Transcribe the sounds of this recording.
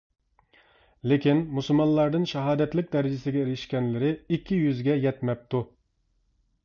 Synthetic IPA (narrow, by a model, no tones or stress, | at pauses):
lɪkʲinmusulˠmɑnlˠɑɾd̪ɨnʃɛɦɑːd̪ɛt̪lɪk̚ʲd̪æɾɪd͡ʒɪsɪɡʲɛeɾɪʃkʲɛnlɪɾɪikʲʰːijyzɡʲɛjɛt̪mɛp̚t̪u